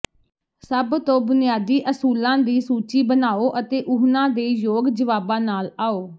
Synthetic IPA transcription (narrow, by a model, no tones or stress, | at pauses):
səbt̪õːbʊnɪjaːd̪iːʔəsuːlãːd̪iːsuːt͡ʃiːbənaːoːʔət̪eːʔʊɦnãːd̪eːjoːɡd͡ʒəʋaːbãːnaːlaːoː